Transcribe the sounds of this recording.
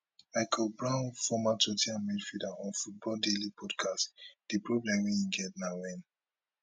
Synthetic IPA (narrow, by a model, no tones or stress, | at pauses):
maɪkʰɔlbɹãʊ̃nfɔmatotiãnmidfɹidaɔ̃nfut̚bɔldelipʰɔdkʰastd̥ipɹɔblɛ̃mwiĩɡɛt̚nawɛ̃n